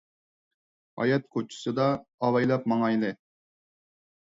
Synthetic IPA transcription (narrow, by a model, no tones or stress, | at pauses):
ɑ̰jɑt̪̚kʰot͡ʃʰu̥sɨd̪ɑːwɑjlˠɑp̚mɑŋɑilˠɪ